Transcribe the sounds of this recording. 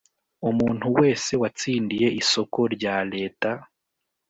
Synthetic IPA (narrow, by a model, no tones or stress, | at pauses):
umuːnhuwe̞ːse̞wat͡siːndije̞ʔiso̞ko̞ɾɟaːle̞ːta